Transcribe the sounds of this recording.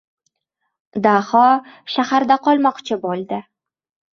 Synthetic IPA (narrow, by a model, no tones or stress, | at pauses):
d̪aχɒʃahaɾd̪aqʰɒlˠmɒqt͡ʃʰɪbolˠd̪ɪ